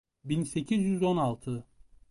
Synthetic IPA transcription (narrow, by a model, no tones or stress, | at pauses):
binse̞cʰizjyzo̞nalˠt̪ʰɯ